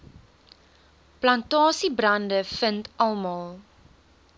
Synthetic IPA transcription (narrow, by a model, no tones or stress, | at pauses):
plɐntɑːsibrɐndəfəntʔɐlˠmɑlˠ